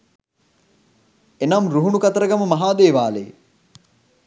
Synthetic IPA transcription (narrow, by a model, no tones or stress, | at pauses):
enamɾuɦunukɐt̪əɾəɡaməmɐɦaːd̪eːʋaːlḛ